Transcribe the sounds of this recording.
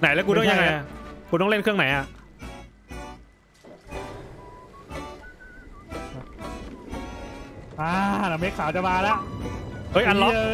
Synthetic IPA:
na˨˩˦lkuː˧nɔ˥˩ŋja˧ŋːa˧ja˨˩kuː˧t̪ɔ˥˩ŋɾe˥˩nkʰɯ˥˩əna˩˦jʔa˨˩ʔ | ʔaː˧na˨˦me˦˥kʰaː˩˦t͡ɕa˨maː˧la˦˥ʔʔɤː˦˥˩jʔa˧nlɔ˦˥˧

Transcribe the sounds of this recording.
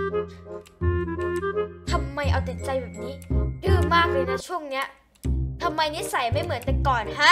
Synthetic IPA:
t̪ʰa˧mːa˧jʔa˧wt̪e˨˩˦nt͡ɕa˧jbɛː˨˩niː˦˥dɯː˧˩maː˥˩k̚lɯː˧˩jna˦˥t͡ɕʰu˥˩əŋni˦˥ɐ | t̪ʰa˧mːa˧jni˦˥sa˩˦jma˥˩jmɯ˩˦nt̪ɛ˨˩kɔː˨˩nɦa˦˥

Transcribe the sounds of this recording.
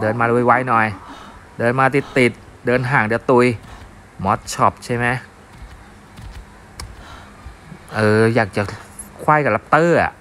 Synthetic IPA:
dɤː˧nmaː˧luː˧˥˩jwa˦˥jnɔ˨˩j | dɤː˧nmaː˧t̪i˨˩t̪ːi˨˩t̪̚ | dɤː˧nɦaː˩ŋdɯ˧t̪u˧j | mɔ˦˥t̪̚t͡ɕʰɔ˦˩p̚t͡ɕʰa˥˩jma˦˥j | ʔɤː˨˧˩jaː˨˩k̚t͡ɕa˨˩ | kʰwa˥˩jka˨˩la˦˥p̚t̪ɤː˥˩a̰˨˩ʔ

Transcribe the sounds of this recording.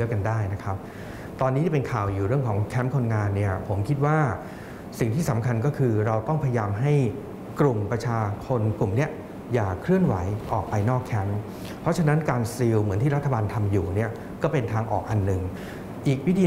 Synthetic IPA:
əka˧ndaː˥˩jna˦˥kʰɾa˦˥p̚ | t̪ɔː˧nːiː˧˦˥t̪i˥˩pe˧nkʰaː˨˩wjuː˨˩ɾɯ˥˩əŋkʰɔː˩˦ŋkʰɛ˦˥mkʰo˧nŋaː˧nːi˥˩ɐpʰo˩˦mkʰi˦˥t̪̚waː˥˩ | si˨˩ŋt̪ʰiː˥˩sa˩˦mkʰa˧nkɔː˥˩kʰɯː˧ɾa˧wt̪ɔ˥˩ŋpʰa˧ja˧jaː˧mɦa˥˩j | klu˨˩mpɾa˧t͡ɕʰaː˧t͡ɕʰo˧nklu˨˩mni˦˥˩ɐ | jaː˨˩kʰɾɯ˥˩ənwa˩˦jʔɔː˨˩k̚pa˧jnɔː˥˩kʰːɛ˦˥m | pʰɾɔ˦˥t͡ɕʰa˧na˦˥nkaː˧nsi˧wmɯ˩˦ət̪ʰiː˥˩ɾa˦˥t̪ʰːa˧baː˧nt̪ʰa˧mjuː˨˩ni˥˩ɐ | kɔː˥˩pe˧nt̪ʰaː˧ŋʔɔ̰ː˨˩k̚ʔa˧nːɯ˨ŋ | ʔiː˨˩k̚wi˦˥t̪ʰiː˧

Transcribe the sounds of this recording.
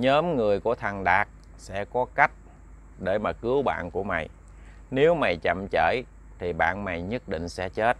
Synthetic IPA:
ɲəː˨˦mŋɨ˨˩əjku˧˩ət̪ʰə˨˩ŋɗaː˨˩k̚ | sɛ̰˧˥kɔ˨˦ka˦˥jk̟̚ | ɗe˧˩jmaː˨˩kɨ˨˦əwɓa̰ː˧˨nku˧˩əma̰˧˨j | ne˨˦wma˨˩jt͡ɕə̰˧˨mt͡ɕəː˧˩j | t̪ʰi˨˩ɓa̰ː˧˨nma̰˨jɲə˦˥t̚ɗḭ̈˧˨ŋ̟sɛ̰˧˥t͡ɕe˦˥t̚

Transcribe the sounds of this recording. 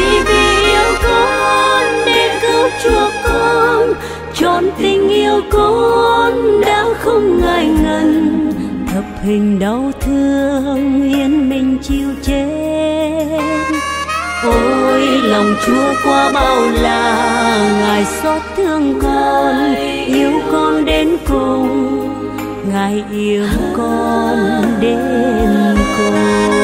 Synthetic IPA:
i˨˩vi˨˩ʔi˧əwkɔ˨˧˦nɗe˧nt̪ɨ˧˦t͡ɕu˨˧˩əkːo˧˦ | t͡ɕɔ˨˩nt̪ï˧˩ŋ̟ʔi˧əwko˧˦nɗaː˨˦wxə˧wŋ͡mŋa˨˩jŋə˧nt̪ʰə˨˩p̚hï˨˩ŋ̟ɗə˨˦wt̪ʰɨ˧əəŋi˧ənmï˨˩ŋ̟t͡ɕi˧əwt͡ɕe˧˦ | n | ʔo˧jlə˨˩wŋ͡mt͡ɕu˨˦əkwɔ˨˦ɓa˧˩wlaː˨˩ŋaː˨˩jsɔ˦˥t̚t̪ʰɨ˧əŋkɔ˧n | ʔi˧əwkɔ˧nɗe˨˦nkʊ˨˧ŋ͡m | ŋaː˨˩jʔi˧əwkɔ˧nɗe˨˦nkʊ˨˩ŋ͡m

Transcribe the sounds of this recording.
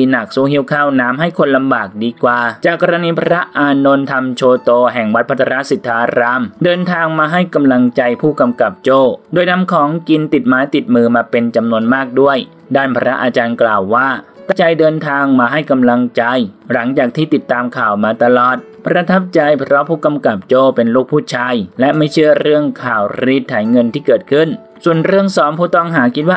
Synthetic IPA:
iː˧na˨˩k̚suː˧˥hi˦˥˩wkʰaː˥˩wnaː˦˥mɦa˥˩jkʰo˧nla˧mbaː˨˩k̚diː˧kwaː˨˩t͡ɕaː˨˩kːɔː˧ɾa˧niː˧pʰa˧ɾa˦˥ʔaː˧no˧nt̪ʰa˧mt͡ɕʰoː˧t̪oː˧ɦɛ˨˩ŋwa˦t̪̚pʰa˦˥t̪ʰːa˧ɾa˦˥ʔsi˨˩t̪ʰːaː˧ɾaː˧mdɤː˧nt̪ʰaː˧ŋmaː˧ɦa˥˩jka˧mla˧ŋt͡ɕa˧jpʰuː˥˩ka˧mka˨˩p̚t͡ɕoː˥˩doː˧jna˦˥mkʰɔː˩˦ŋki˧nt̪i˨˩t̪̚maː˦jt̪i˨˩t̪̚mɯː˧maː˧pe˧nt͡ɕa˧mnu˧ənmaː˥˩k̚du˥˩əj | daː˥˩npʰaː˧ɾa˦˥ʔaː˧t͡ɕaː˧nklaː˨˩wːaː˥˩a˧˥t͡ɕa˧jdɤː˧nt̪ʰaː˧ŋmaː˧ɦa˥˩jka˧mla˧ŋt͡ɕa˧jla˩˦ŋt͡ɕaː˨˩k̚t̪ʰiː˥˩t̪i˨˩t̪ːaː˧mkʰaː˨˩wmaː˧t̪a˧lɔː˨˩t̪̚pɾa˧t̪ʰa˦˥p̚t͡ɕa˧jpʰɾɔ˦˥pʰuː˥˩ka˧mka˨˩p̚t͡ɕoː˥˩pe˧nluː˥˩k̚pʰuː˥˩t͡ɕʰaː˧jlɛ˦˥ʔma˥˩jt͡ɕʰɯ˥˩əɾɯ˥˩əŋkʰaː˨˩wɾi˦˥˩t̪ʰːaː˩˦jŋɤ˧nt̪ʰiː˥˩kɤː˨˩t̪̚kʰɯ˥˩n | su˨˩ənɾɯ˥˩əŋsɔː˩˦mpʰuː˥˩t̪ɔ˥˩ŋɦaː˩˦kʰi˦˥t̪̚waː˥˩

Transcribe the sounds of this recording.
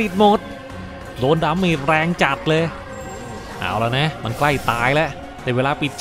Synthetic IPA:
i˨˩t̪̚mo˨˩t̪̚ | doː˧nda˧˥mːiː˧˩ɾɛː˧ŋt͡ɕa˨˩t̪̚lɤː˧j | ʔa̰ː˧˩wla˧˩na˦˥ʔma˧nkla˥˩jt̪aː˧jlɛ˦˥ʔ | t̪ɛː˧˩weː˧laː˧pi˨˩t̪̚

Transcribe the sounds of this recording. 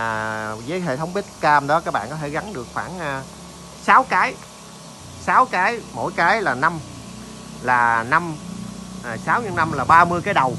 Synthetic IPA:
zəː˨˦jɦḛ˧˨t̪ʰə˨˦wŋ͡mɓi˦˥t̚kaː˧mɗɔ˨˦kaː˦˥k̚ɓa̰ː˧˨nkɔ˨˦t̪ʰe˧˩ɣa˨˦nɗɨ˨˩ək̚faː˧˩nː˧ | saː˨˦wkaː˨˦j | saː˨˦wkaː˨˦jmo̰˧˩˨jkaː˨˦jlaː˨˩na˧m | laː˨˩na˧mː˨˩ | saː˨˦wɲɨ̰˧˥ŋna˧mlaː˨˩ɓaː˧mɨ˧əjkaː˨˦jɗə˨˩w

